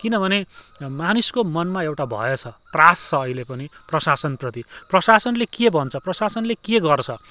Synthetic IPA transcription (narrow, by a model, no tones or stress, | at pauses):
kinʌbʱʌnemanuskomʌnmaewʈabʱʌ̰jet͡sʰʌt̪rast͡sʰʌːɦilepʌniprʌsasʌnprʌt̪iprʌsasʌnlekebʱʌnt͡sʰʌprʌsasʌnlekeɡʌrt͡sʰʌ